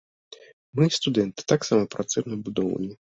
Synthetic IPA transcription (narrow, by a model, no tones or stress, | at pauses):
mɨst̪ud̪ɛnt̪ɨ̥t̪aksamɐpɾat̪sɛjnbud̪ɔw̰nʲi